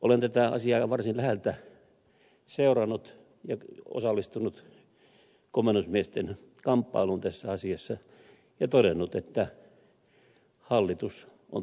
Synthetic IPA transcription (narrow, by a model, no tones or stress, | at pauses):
ʔolent̪æt̪æɑ̰siɑːʋɑrsinlæhelt̪æ | seurɑnːˑut̪ | jɑo̰sɑlːist̪unːut̪ | komenusmiest̪en | kɑmpːɑ̰ilunt̪æsːæɑsiɑsːɑ | jɑt̪oɾenːut̪et̪ːæ | hɑlːit̪us | o̰